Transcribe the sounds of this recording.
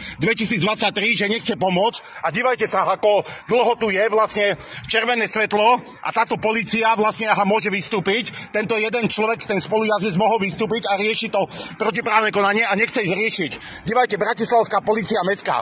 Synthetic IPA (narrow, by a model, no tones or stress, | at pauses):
d̪ʋɛcisiːd͡zd̪ʋat͡sːac̚t̪ɾiʒɛɲɛxt͡sɛpɔmʊɔt͡scaɟiːʋajcɛsaakɔd̪l̩ɦɔt̪ujɛʋlasɲɛt͡ʃɛɾʋɛnɛːsʋɛt̪lɔ | ʔa̰t̪aːt̪ɔpɔliːt͡siaʋlasɲɛaɦamʊɔʒɛʋist̪uːpict̪ɛnt̪ɔjɛd̪ɛnt͡ʃlɔʋɛkt̪ɛnspɔlujazizmɔɦɔlʋist̪uːpicaɾɪɛʃit̪ɔpɾɔcipɾaːʊnɛkɔnaɲɪɛaɲɛxt͡sɛzɾɪɛʃic | ɟiːʋajcɛbɾacislaʊskaːpɔliːt͡siamɛska̰